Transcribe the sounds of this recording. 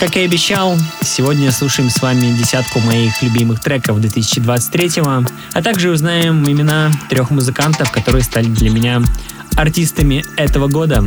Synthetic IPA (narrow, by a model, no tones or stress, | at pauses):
kakjaɐbʲɪɕːalˠsʲɪvo̞dʲnʲəslˠuʂɨjɪmsvamʲɪdʲɪsʲat̪kʊmɐixlʲʉbʲimɨxt̪ɾɛkəvd̪vʲɪt̪ɨsʲɪ̥t͡ɕɪd̪vat̪sɨ̥t̚ʲt̪ʲːɾʲetʲɪvə | ɐt̪aɡʐɨʊznaɪmɪmʲɪnat̪ɾʲo̞xmʊzɨkant̪əfkɐt̪o̞ɾɨjəst̪alʲɪd̪lʲəmʲɪnʲa | ɐrtʲist̪əmʲɪɛt̪əvəɡo̞d̪ə